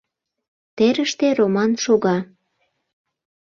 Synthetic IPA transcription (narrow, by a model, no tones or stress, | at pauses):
t̪eɾəʃt̪eromɑnʃoɣɑ